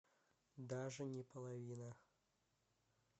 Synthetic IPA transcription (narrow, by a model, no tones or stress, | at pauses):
d̪aʐɨnʲɛpɐlˠavʲinɐx